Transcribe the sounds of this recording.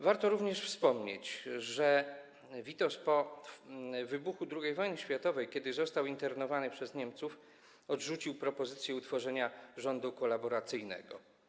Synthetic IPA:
vaɾt̪ɔɾuvɲɛʂfspɔmɲḛt͡ɕʐɛ | vʲit̪ɔspɔ | vɘbuxud̪ɾuɡʲejvɔjnɘɕfʲjat̪ɔvɛjkʲɛd̪ɘzɔst̪awint̪ɛɾnɔvanɘpʂɛzɲɛmt̪suf | ɔd̪ʐut͡ɕiwpɾɔpɔzɘt̪sʲjɛut̪fɔʐɛɲaʐɔnd̪ukɔlabɔɾat̪sɘjnɛ̰ɡɔ

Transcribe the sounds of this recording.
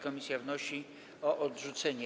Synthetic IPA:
kɔmʲisʲjavnɔɕi | ɔʔɔdʐut̪sɛɲɛ

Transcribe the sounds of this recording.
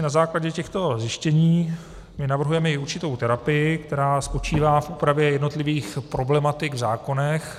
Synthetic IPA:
nazaːklaɟɛcɛxt̪o̞zjɪʃcɛɲiː | mɪnavr̩ɦujɛmɛɪuɾt͡ʃɪt̪o̞wt̪ɛɾapɪjɪk̚t̪ɛɾaːspo̞t͡ʃiːvaːfʔuːpɾavjɛjɛdno̞t̪lɪviːxpɾo̞blɛmat̪ɪɡvzaːko̞nɛx

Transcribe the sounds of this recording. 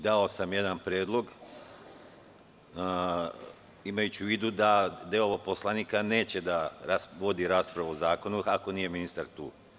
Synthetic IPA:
d̪ao̞samje̞d̪anpɾjeːd̪lˠo̞ɡ | imajut͡ɕiʋiːd̪ud̪ad̪eoposlˠaniːkane̞ːt͡ɕe̞d̪aɾasʋo̞d̪iɾaːspɾaʋaozaːko̞nuako̞niːje̞minist̪aɾt̪uː

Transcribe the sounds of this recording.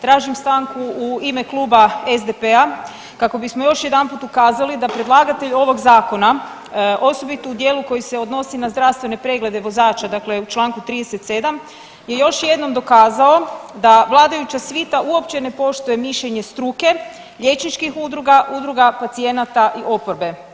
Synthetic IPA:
t̪ɾaːʒimst̪aŋkuuime̞klˠuːbaezd̪epea | kako̞bismojo̞ʃjed̪anpuːt̪ukaːzalid̪apɾe̞d̪lˠaːɡat̪e̞ʎo̞ʋo̞ɡzaːko̞na | ʔo̞so̞bit̪oud̪je̞ːluko̞jise̞o̞d̪no̞sinazd̪ɾaʋst̪ʋe̞ne̞pɾe̞ɡle̞d̪e̞ʋo̞zaːt͡ʃad̪akle̞ut͡ʃlˠaːŋkut̪ɾid̪eset̪se̞d̪am | je̞jo̞ʃje̞d̪no̞md̪o̞kaːzao̞d̪aʋlˠaːd̪ajut͡ɕasʋit̪aʔuo̞pt͡ɕe̞ne̞po̞ʃt̪uje̞miʃʎeɲe̞st̪ɾuke̞ | ʎe̞t͡ʃnit͡ʃkixud̪ɾuɡaʔud̪ɾuɡapat̪sije̞nat̪aʔiʔo̞po̞ɾbe̞

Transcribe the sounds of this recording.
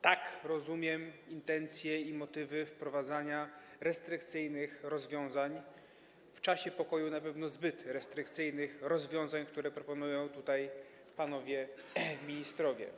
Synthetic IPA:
t̪akɾɔzumʲjɛmint̪ɛnt̪sʲjɛimɔt̪ɘvɘfpɾɔvad̪zaɲa | ɾɛst̪ɾɘkt̪sɘjnɘxɾɔzvʲjɔ̃w̃zaɲ | ft͡ʂaɕɛpɔkɔjunapɛvn̪ɔzbɘt̪ɾɛst̪ɾɘkt̪sɘjnɘxɾɔzvʲjɔ̃w̃zaɲkt̪uɾɛpɾɔpɔnujɔ̃w̃t̪ut̪aj | panɔvʲjɛmʲiɲist̪ɾɔvʲjɛ̰

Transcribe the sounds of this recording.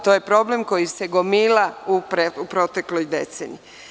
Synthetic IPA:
t̪o̞ːje̞pɾo̞ble̞mko̞jiseɡo̞miːlaupɾeupɾo̞t̪e̞klojd̪e̞̰t̪senḭ

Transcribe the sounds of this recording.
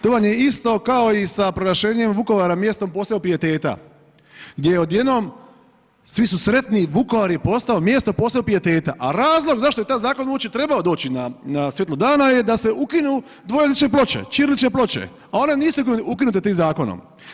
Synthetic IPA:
t̪oʋanjeist̪o̞kao̞isapɾoɾaʃe̞ːɲemʋuko̞ʋaɾamje̞st̪o̞mpo̞ːsleopiet̪e̞ːt̪a̰ | ɡd̪jejeo̞d̪jed̪nom | sʋisusɾe̞t̪niʋuko̞ʋaɾipo̞st̪aomje̞st̪o̞poːsleopijet̪e̞ːt̪a̰ʔaɾaːzlˠo̞ɡzaʃt̪ojet̪aːjzaːkonuot͡ʃit̪ɾe̞baod̪o̞ːt͡ʃinanasjet̪lod̪aːnaje̞d̪ase̞ukinu | d̪ʋo̞jezit͡ʃnep̬lˠo̞t͡ʃḛt͡ʃiɾlit͡ʃneplo̞t͡ʃḛ | ao̞ne̞niːsuukukinut̪et̪iːmzaːko̞no̰m

